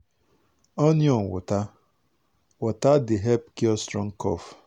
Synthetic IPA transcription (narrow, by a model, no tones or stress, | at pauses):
ɔnjɔŋ̩wʊ̰ta | wʊtadɪɦɛpkiɔstɾɔŋ̩kɔ̰f